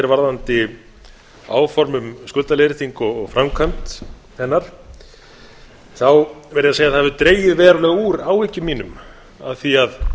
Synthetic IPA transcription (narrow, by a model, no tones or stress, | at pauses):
ɛɾvaɾðant̪ɪ | a̰ːwfɔɾmʏmskʏlt̪alejɾɪt̪iŋkɔɣɔɣfɾamkʰant̪ | hɛnːaɾ̥ | θawvɛɾjɪaseːjaðθhavɪt̪ɾeːjɪðvɛːɾalɛɣuːɾawɪcʏmiːnʏm | a̰ðθiað